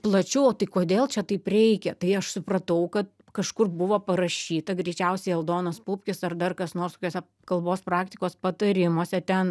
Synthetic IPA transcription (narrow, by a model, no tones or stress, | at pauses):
plˠɐt͡ʃʲʊoːt̪ɐɪkoːd̪ʲeːlˠt͡ʃʲɛt̪ɐɪpɾʲɛɪkʲɛt̪ɐɪɐʃsʊpɾɐt̪ɐʊkɐt̪̚ | kɐʃkʊrbʊʋoːpɐɾɐʃʲiːt̪ɐɡɾʲɛɪt͡ʃʲɛʊsʲɛɪɐlˠd̪oːnɐspʊpʲkʲɪsɐrd̪ɐrkɐsnoːrst̪oːkʲoːsʲɛ | kɐlˠboːspɾɑːk̚t̪ʲɪkoːspɐt̪ɐɾʲɪmoːsʲɛt̪ʲɛn